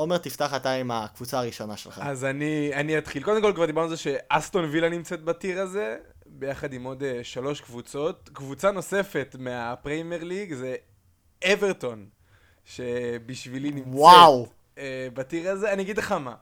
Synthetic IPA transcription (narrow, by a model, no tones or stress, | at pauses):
ome̞ʁt̪ift̪aχat̪aimakvut͡saːʁiʃo̞naʃelχa̰azanianiat̪χilko̞d̪emkolkvaʁd̪ibaʁizeʃe̞ʔast̪onvilanimt͡set̪̚batiʁaze̞ | be̞jaχad̪imo̞d̪eʃalo̞ʃkvut͡so̞t̪̚kvut͡sano̞se̞fe̞t̪meapʁemeʁliɡze | eveʁt̪o̞n | ʃe̞biʃvilinimwaw | ebat̪iʁazeanijaɡid̪leχama